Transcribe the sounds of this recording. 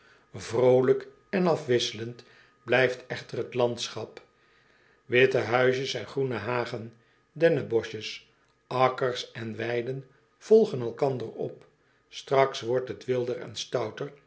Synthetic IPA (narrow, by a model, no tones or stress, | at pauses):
vrowlək | ɛnɑfʋɪsələnt | blɛjftɛχtərətlɑnt̪sχɑp | ʋɪtəɦœɥʃəsɛnχrunəɦaːχən | dɛnəbɔʃəs | ɑkərsɛnʋɛjdən | v̥ɔlˠχənɛlˠkɑnd̪ərɔ̰p | strɑksʋɔɹtɦətʋɪlˠdərɛ̰nstɑwtəɹ